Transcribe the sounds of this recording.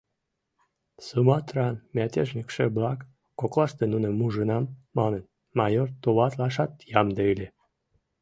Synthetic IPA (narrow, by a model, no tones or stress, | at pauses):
sɨmɑt̪rɑnmʲæt̪ʲeʒnʲikʃeblɑkː | oklɑʃt̪enunemuʒənɑmːɑnən | mɑjort̪ːoβɑt̪lɑʃɑt̪jɑmd̪eilʲe